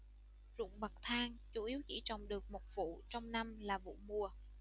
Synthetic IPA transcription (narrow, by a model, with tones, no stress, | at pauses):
zʊ̰˧˨ŋ͡mɓə˨˩k̚t̪ʰaː˧ŋt͡ɕu˧˩˦ʔi˨˦əwt͡ɕḭ˧˥t͡ɕɔ˨˩wŋ͡mɗɨ˨˩ək̚mo˨˩t̚vṵ˧˨t͡ɕɔ˧wŋ͡mna˧mlaː˨˩vṵ˧˨mu˧ə